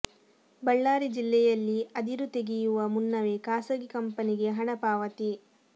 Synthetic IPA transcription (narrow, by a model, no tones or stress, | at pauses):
bɐɭːaːɾid͡ʒilːɛjɐlːiɐd̪iɾut̪e̞ɡijuʋɐmunːɐʋe̞kaːsɐɡikɐmpɐniɡe̞ɦɐɳɐpaːʋɐt̪i